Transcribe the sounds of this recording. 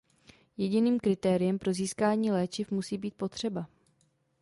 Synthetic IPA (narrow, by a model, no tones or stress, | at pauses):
jɛɟɪniːmkɾɪt̪ɛːɾɪjɛmpɾo̞ziːskaːɲiːlɛːt͡ʃɪfmusiːbiːt̪̚po̞t̪r̝̥ɛba